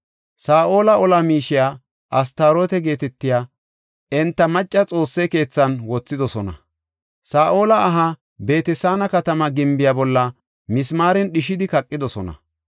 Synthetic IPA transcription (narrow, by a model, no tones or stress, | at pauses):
saːʔo̞ːlɐɔlɐmiːʃɪjaː | ʔɐst̪aːɾoːt̪ɛɡe̞ːt̪ɛt̪ːɪjaː | ɛnt̪ːɐmɐt͡ʃʼːɐt͡sʼo̞ːsːɛke̞ːt͡sːɐnwɔt͡sːɪd̪ɔsɔnɐ̰ | saːʔo̞ːlɐːɦɐ | be̞ːt̪ɛsaːnɐkɐt̪ɐmɐɡɪmbɪjabɔlːɐ | mɪsmaːɾɛnɗɪʃɪd̪ɪkɐkʼːɪd̪ɔsɔnɐ̰